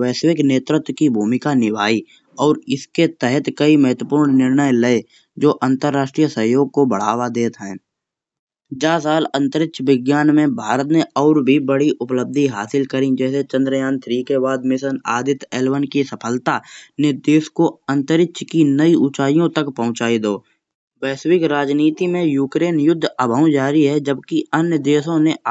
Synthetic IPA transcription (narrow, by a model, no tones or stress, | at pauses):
ʋɛːsɪkneːt̪ɾɪt̪wəkibʱuːmɪkanɪʋaːi | ɔːɾɪsket̪ɛɦɛt̪kəiməɦət̪wəpuːɾɳnɪɾɳəjləe | d͡ʒoːʔə̃nt̪əɾːaːʃʈɾijəsəɦjoːɡ̚kobəɽ̤a̰ːʋad̪eːt̪ɦɛ̃ː | d͡ʒaːsaːlə̃nt̪əɾɪkʃʋɪɡjaːnmẽbʱaːɾət̪neɔːɾbʱibəɽiʔʊpləb̚d̪ʱiɦaːsɪlkəɾĩd͡ʒɛːset͡ʃə̃nd̪ɾəjaːnt̪ʰɾiːkebaːd̪mɪsənaːd̪ɪt̪ɛːlwənkisəpʰəlt̪anɪd̪eːskoə̃nt̪əɾɪkʃkinəiut͡ʃaːijõt̪əkpəɦʊ̃t͡ʃaːid̪oː | bɛːswɪkɾaːd͡ʒniːt̪imẽjuːkɾeːnjʊd̪ʱːəbʱəũd͡ʒaːɾiɦɛd͡ʒəbkiənjəd̪eːsõne